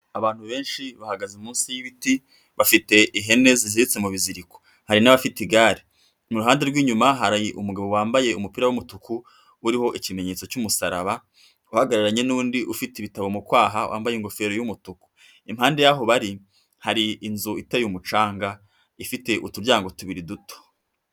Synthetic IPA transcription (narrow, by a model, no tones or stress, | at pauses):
aβaːn̥huβe̞ːnʃiβahaɡazumuːnsijiβiti | βafite̞ʔiɦe̞ne̞ziziɾit͡se̞muβiziɾiko̥ | haɾinaβafitiɡaːɾi | muɾuɦaːnde̞ɾɡwiːɲumaɦaɾajiʔumuɡaβo̞waːmbaje̞umupiːɾawumutukuː | ɾiho̞ʔicime̞ɲe̞t͡so̞cumusaɾa̰βa | uhaɡaɾaɾaɲe̞nuːndiʔufiteiβitaβomukwaːɦa̰wʔa̰ːmbajeŋɡo̞fe̞ɾojumutuku̥ | imhaːnde̞jaɦo̞βaɾi | haɾiːnzuitajumut͡ʃaːŋɡa | ifite̞ʔutuɾɟaːŋɡo̞tuβiɾiduto̥